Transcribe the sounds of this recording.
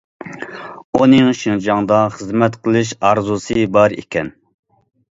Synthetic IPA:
unɨŋʃind͡ʒɑŋd̪ɑχəzmɛt̪qʰəlˠɨʃɑɾzusɨbɑɾḭkʲʰɛn

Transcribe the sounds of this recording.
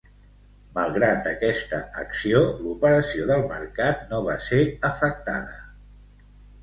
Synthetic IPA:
məlˠɣɾat̪̚d̪əkɛst̪əəksiolupəɾəsioðəlˠmə̰ɾkat̪̚noβ̞aseəfək̚t̪a̰ðə

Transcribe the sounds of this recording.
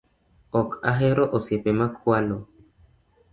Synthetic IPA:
ɔkaɦɛɾɔʔosjepemakʰwalo

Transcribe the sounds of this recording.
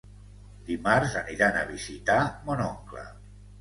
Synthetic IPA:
d̪imaɾzəniɾanə̰βizit̪amonɔŋklə̰

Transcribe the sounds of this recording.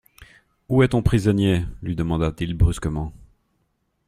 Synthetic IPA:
uɛt̪ɔ̃pχizɔnjelɥid̪əmɑ̃d̪at̪ilbʁyskəmɑ̃

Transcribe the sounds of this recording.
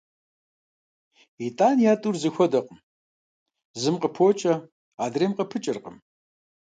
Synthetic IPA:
itʼaːnjaːtʼurzɨxʷɔdɐqəm | zɨmqəpʰoːt͡ʃʼɐ | aːdreːmqəpʰɨt͡ʃʼɪrqəm

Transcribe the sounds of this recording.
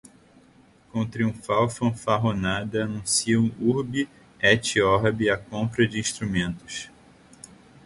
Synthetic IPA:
kõt̪ɾiũfawfɐ̃faɦonad̪ɐanũsiɐũuɾbɪ | ɛt͡ʃiɔɾbɪakõpɾɐd͡ʒɪĩʃt̪ɾumẽnt̪ʊ̥ʃ

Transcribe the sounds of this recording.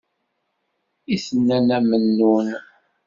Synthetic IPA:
isənːænæmənːun

